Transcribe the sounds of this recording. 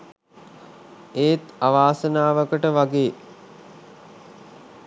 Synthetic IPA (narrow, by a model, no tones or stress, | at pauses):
eːt̪aʋaːsənaːʋəkəʈəʋaɡeː